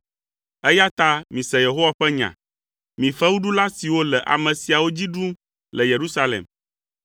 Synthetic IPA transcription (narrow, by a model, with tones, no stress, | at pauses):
ɛ˦ja˦t̪a˦mĩ˨sɛ˨je˨ɦo˦wa˦ɸɛ˦ɲã̰˨ | mĩ˨ɸɛ˦wu˦ɖu˦la˦si˨wo˦lɛ˨ʔa̰˨mɛ̃˨si˨a˨wo˦d͡ʑi˦ɖu˦ | lɛ˨je˨ɾu˦sa˦lḛ˨m